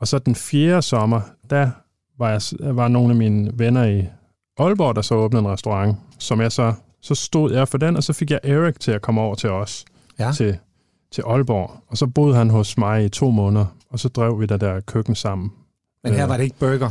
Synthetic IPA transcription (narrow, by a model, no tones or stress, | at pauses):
ɒ̽sɒ̽d̥enfjeːɐsɒ̽mɐd̥æ | ʋɑ̈jɑ̈sʋɑ̈no̝ːnæmiːnəʋenɐi | ʔɒ̽lb̥ɒ̰d̥ɑ̈sɒ̽ɔːb̥n̩ð̩ˠenʁɛsd̥oʁɑ̈ŋsɒ̽mjɑ̈ɪsɒ̽ | sɒ̽sd̥o̝ð̞̰ˠjɑfɒ̽d̥enɒ̽sɒ̽fe̝ɡ̥jɑ̈ɪʔeʁiɡ̥̚t͡sʰe̝lækʰɒ̽mɒʊ̰ɐt͡sʰe̝lɒ̽s | t͡sʰe̝ | t͡sʰe̝ʔɒ̽lb̥ɒ̰ːɒ̽sɒ̽b̥o̝ð̰ˠɦænɦɔ̽smɑ̈ɪit͡sʰo̝̰ːmɔ̽ːnðˠɐɒ̽sɒ̽d̥ʁɛʊ̰ʋid̥ed̥æɐkʰøɡ̥n̩sɑ̈m̰n̩ | mheɐʋɑdeeɡ̥̚b̥øɡ̥ɐ